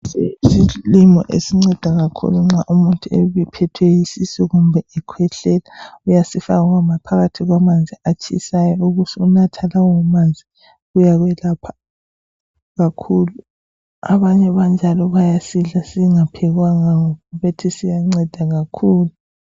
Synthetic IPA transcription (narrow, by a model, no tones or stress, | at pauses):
sesilimɔ̰ʔḛsiŋ͡ǀɛd̥ʱaɣakʰṵluŋ͡ǁaʔumuntʼueβipʰɛtʰwejisisɛɣumbʱɛʔɛkʰwɛɬɛlaujasifaɣuɣwamapʰaɣatʰiɣwamand͡zʱiat͡ʃʰʼisajɔuɣutʰiunatʰalawɔamand͡zʱi | ɣujaβɛlapʰḁ | ɣakʰuːlu | a̰βaɲɛβand͡ʒʱalɔβajasiɮasiŋapʰɛɣwaŋaŋɔβetʰisijaŋ͡ǀɛd̥ʱaɣakʰuːlu